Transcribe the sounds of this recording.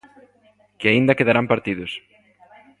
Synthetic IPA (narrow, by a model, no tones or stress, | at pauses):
kɪaind̪ɐkeðaɾampaɾt̪iðʊs